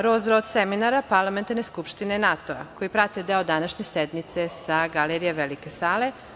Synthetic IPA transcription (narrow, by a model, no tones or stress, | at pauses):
ɾozɾod̪seminaɾapaɾlˠament̪aɾne̞skupʃt̪inenat̪oa̰kojipɾat̪ed̪eod̪anaʃɲesed̪nit̪sesaɡaleɾijeʋelikesaːle̞